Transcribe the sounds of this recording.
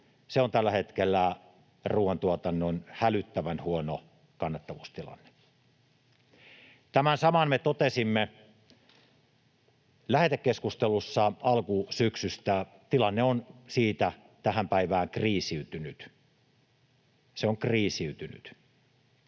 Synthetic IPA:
seont̪ælːæhet̪kelːæ | ruːɑnt̪uot̪ɑnːonhælyt̪ːæʋænhuono | kɑnːɑt̪ːɑʋuːst̪ilɑ̰nːe̥ | t̪æmænsɑmɑnmet̪ot̪esimːe | læhet̪ekːeskust̪elusːɑɑlkusyksyst̪æ | t̪ilɑnːeonsiːt̪æ | t̪æhæmpæiʋæːŋkriːsiyt̪ynyt̪ | seoŋkriːsiyt̪yny̰t̪

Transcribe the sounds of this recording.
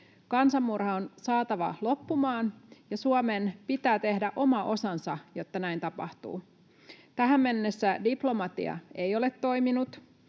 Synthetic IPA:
kɑnsɑmːurhɑonsɑːt̪ɑʋɑlo̞pːumɑːnjɑsuomenpit̪æːt̪e̞hdæʔo̞mɑʔo̞sɑnsɑjo̞t̪ːɑnæint̪ɑpɑ̰ht̪ṵː | t̪æɦæmːenːesːædiplo̞mɑt̪ḭɑ̰e̞jo̞let̪ːo̞jminut̪

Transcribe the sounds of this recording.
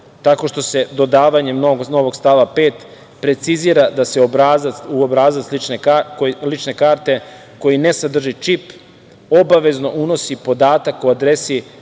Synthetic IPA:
t̪ako̞ʃt̪o̞se̞d̪o̞d̪aːʋaɲe̞mnoɡno̞ʋo̞ɡst̪aʋape̞ːt̪ | pɾe̞t̪siziːɾad̪aseobɾazauobɾaːzaslit͡ʃnekalit͡ʃne̞kaːɾt̪e̞ | ko̞jine̞sad̪r̩ʒit͡ʃip | o̞baʋe̞zno̞ʔuno̞sipo̞d̪aːt̪akuad̪ɾe̞si

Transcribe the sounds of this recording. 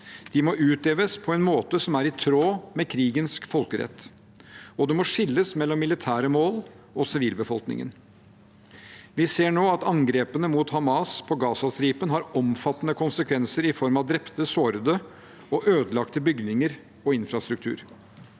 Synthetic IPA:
d̪̥ɪmɔʔʉːt̪ʰleːʋəspʰɔɛnmoːt̪əsɔmæɾɪt̪ʰɾoːmɛkʰɾiːɡənskfɔlkəɾɛ̰t̪ː | ɔd̪ɛmɔʂɪlːəsmɛlːɔmːɪlɪt̪ʰæːɾəmoːl | ɔsɪʋiːlbəfɔlknɪ̰ŋə̰n | ʋɪseːɳoːɑt̪ɑŋɡɾeːpənəmuːt̪hɑmɑːspʰɔɡɑːsɑst̪ɾiːpənɦɑɾɔmfɑt̪ːənəkʰʊnsəkʰʋɛnsəɾɪfɔɾmɑʋd̪ɾɛpt̪əsoːɾəd̪ə | ɔʔøːd̪əlɑkt̪əbʏɡdnɪŋəɾ | ɔɪnfɾɑst̪ɾʉk̚t̪ʰʉ̰ːɾ

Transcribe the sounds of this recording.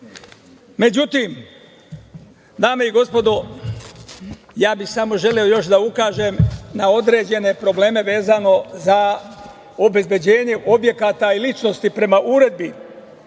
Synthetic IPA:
me̞d͡ʑut̪iːm | d̪aːme̞iɡo̞spo̞d̪o | jaːbixsamo̞ʒe̞leo̞jo̞ʃ̬d̪aukaːʒemnao̞d̪ɾe̞ːd͡ʑe̞ne̞pɾo̞ble̞ːme̞ʋe̞ːzano̞za | obe̞zbje̞d͡ʑe̞ːɲe̞ʔo̞bje̞kaːt̪ailit͡ʃno̞st̪ipɾe̞maʔuɾe̞d̪̚bi

